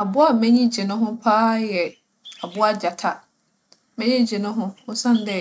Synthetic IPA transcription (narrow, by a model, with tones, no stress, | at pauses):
a˨bʊ˦a˦˨mɛ̃˦ɲĩ˦d͡ʑi˨nʊ̃˦ɦʊ̃˦pʰaː˦jɛ˨ | a˨bʊ˦a˦d͡ʑa˨tʰa˦ | mɛ̃˦ɲĩ˦d͡ʑi˨nʊ̃˦ɦʊ̃˦hʊ̃˦sã˦n˨˦dɛ˦˨